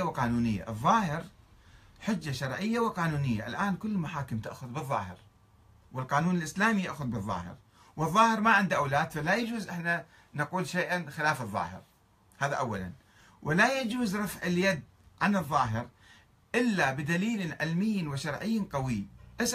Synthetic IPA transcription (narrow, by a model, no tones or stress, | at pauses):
awqɑːnuːnɪjːa̰ʔɨðˤːɑːhɪɾ | ħɪd͡ʒːaʃɑɾˤʕɪjːawɪqɑːnuːnɪjːa̰ʔɪ̰lʔaːnkʊlːmaħaːkɪmt̪ɪ̰ʔxʊðbɨðˤːɑ̰ːhɪ̰ɾ | wɪlqɑːnuːnɪlʔɪslaːmijaʔxʊðbɨðˤːɑ̰ːhɪ̰ɾ | wɨðˤːɑːhɪɾmaʕɪnd̪ʔawlaːd̪falajad͡ʒuːzʔɪħna | naquːlʃaːʔanxɪlaːfɨðˤːɑ̰ːhɪ̰ɾ | haːðaʔawːala̰n | wɪlajad͡ʒuːzɾˤɑfʕɪljad̪ | ʕanɨðˤːɑːɦɪɾ | ʔɪlːabɪd̪aliːlɪʕɪlmɪjːnwɪʃɑɾˤʕɪjːnqɑwiʔɪs